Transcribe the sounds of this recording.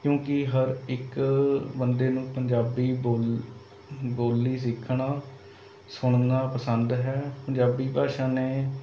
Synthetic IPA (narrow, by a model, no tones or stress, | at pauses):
kjõːkɪɦəɾɪkbənd̪eːnũːpəɲd͡ʒaːbiːboːl | boːlːiːs̬ɪkʰːɳaː | sʊɳ̃naːpəsənd̪ɦɛːpəɲd͡ʒaːbiːbʱaːʃãːneː